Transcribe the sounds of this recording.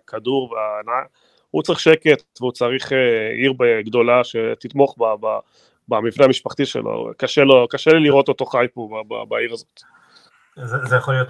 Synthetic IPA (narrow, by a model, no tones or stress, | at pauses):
kʰaduʁveanaj | hut͡saʁiχʃe̞ke̞t̪veut͡saʁiχeiʁbeɡd̪o̞laʃe̞t̪it̪mo̞χbaba | bamivneamiʃpaχt̪iʃḛlʔo̰kaʃelokaʃeliliʁo̞t̪o̞t̪o̞χajpobaba̰baiʁazo̞̥t̪ | zezejaχolijot